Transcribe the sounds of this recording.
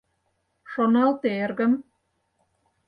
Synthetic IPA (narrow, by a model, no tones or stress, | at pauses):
ʃonɑlt̪erɣə̆m